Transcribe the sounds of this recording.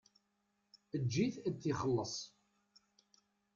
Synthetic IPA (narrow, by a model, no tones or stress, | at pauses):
əd͡ʒːiθæθːiχəlːəsˤ